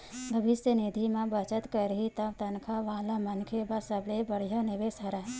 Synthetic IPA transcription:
bʱəʋɪsənɪd̪ʱimãbət͡ʃət̪kəɾɦit̪əbt̪ɐnkʰaʋaːlamənkʰebasəblebəɽijanɪʋesəɾaɦ

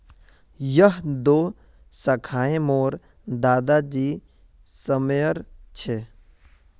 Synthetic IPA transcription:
jəɦd̪oː | sɐkʰaːẽmoːɾ | d̪aːd̪ad͡ʒiː | səmjəɾt͡ʃʰe

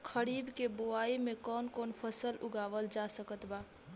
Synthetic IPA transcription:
kʰəɾibkeboaimekɔnkonpʰəsəluɡabəld͡ʒasəkət̪ba

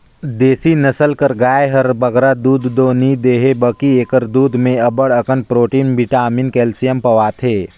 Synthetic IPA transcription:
d̪eːsinəsəlkəɾɡaːjɦəɾbəɡɾad̪uːd̪ːoːnid̪eːɦebəkieːkəɾd̪uːd̪ʱmẽɐbəɽəkənpɾoːʈiːnbiʈaːminkɛːlsijəmpɐʋaːt̪ʰeː

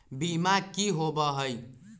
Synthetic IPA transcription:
bimakiɦobʌɦəj

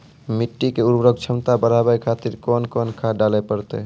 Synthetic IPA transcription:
miʈːikeuɾbɾəɡ̚t͡ʃʰəmt̪abəɾ̤abajkʰat̪iɾkɔnkɔnkʰaɖalepəɾt̪e

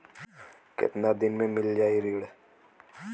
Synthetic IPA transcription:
kɪ̰t̪naːd̪ɪnmẽmɪld͡ʒaːiɾiːɽ

